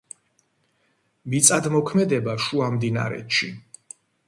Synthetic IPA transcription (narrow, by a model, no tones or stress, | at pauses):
mit̪sʼad̪mɔkʰmɛd̪ɛbaʃuamd̪ina̰ɾɛ̰t̪ʃi